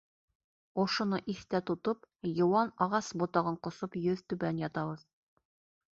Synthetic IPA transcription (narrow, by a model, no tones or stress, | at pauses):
ŏʃŏnɤʔiθt̪æt̪ŏt̪opjŏwɑnɑʁɑsbŏt̪ɑʁɤɴqŏsopjɵðt̪ʉβænjɑt̪ɑβɤð